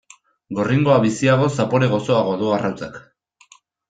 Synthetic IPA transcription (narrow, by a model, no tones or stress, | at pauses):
ɡo̞riŋɡo̞aβisiaɣ̞o̞sapo̞ɾe̞ɣ̞o̞so̞aɣoðoarawt͡sak